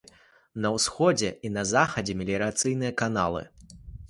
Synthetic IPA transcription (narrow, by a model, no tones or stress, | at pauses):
nɐwsxɔd͡zʲɛinɐzaxɐd͡zʲɛmʲilʲiɾat̪sɨjnɨjɐkana̰lˠɨ̰